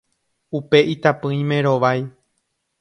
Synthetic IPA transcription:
upe̞ʔit̪apɨ̃ĩmẽ̞ɾo̞ʋaj

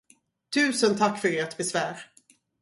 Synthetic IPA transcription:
t̪ʰʉ̟ːsənt̪ʰakːfœɾeːʈbɛsvæːɾ

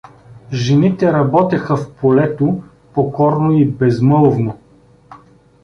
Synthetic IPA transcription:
ʒɛnit̪ɛɾɐbɔt̪ɛxɐfpʰolɛt̪o | pokɔɾnoibɛzmɤlˠvno

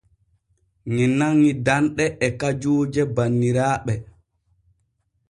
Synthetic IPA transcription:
ŋinaŋːidanɗɛʔɛkad͡ʒuːd͡ʒɛbanːiɾaːɓɛ

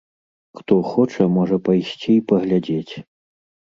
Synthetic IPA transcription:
xt̪ɔxɔt͡ʂɐmɔʐɐpajsʲt͡sʲiipɐɣlʲad͡zʲet͡sʲ

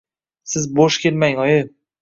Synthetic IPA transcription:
sɪzboʃkʲʰe̞lmaŋɒjɪ

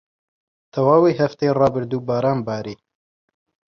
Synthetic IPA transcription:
t̪ʰɐwaːwiːɦɐft̪erɑːbɨɾd̪uːbɑːɾɑːnbɑːɾiː

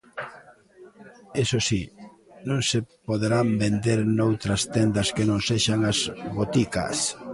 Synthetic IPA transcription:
esosi | nõŋsepoðeɾambend̪eɾnowt̪ɾɐst̪end̪ɐskenõŋseʃaŋazβot̪ikɐ̰s

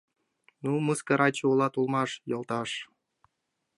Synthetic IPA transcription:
numɯskɤ̆ɾɑt͡ɕuulˠɑt̪ulˠmɑʂjɤ̆lˠt̪ɑʂ

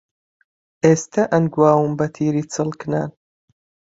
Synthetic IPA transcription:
ʔeːst̪ʰɐʔɐnɡwaːwɨmbɐt̪ʰiːɾiːt͡sʰɨlkna̰ːn

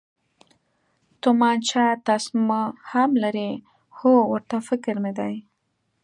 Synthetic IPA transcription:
t̪ʊmɑnt͡ʃɑt̪ɑsmahamlaɾi | howəɾt̪afɪkɪɾmɪd̪aj

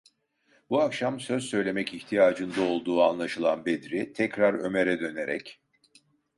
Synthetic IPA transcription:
buakʃamsø̞zsø̞jlʲe̞mɛciçt̪ʰijaːd͡ʒɯnd̪ao̞lˠd̪uːanlˠaʃɯlˠanbed̪ɾit̪ʰɛcɾaɾø̞̰me̞ɾɛd̪ø̞ne̞ɾɛ̰c

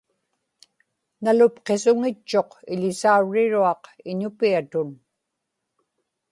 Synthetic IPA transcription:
nalʊpqe̞sʊŋɪt͡ʃːo̞qɪʎɪsauɻːɪɻuɑqɪɲʊpiat̪ʊn

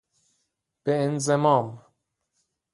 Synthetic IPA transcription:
b̥eenzemɒːm

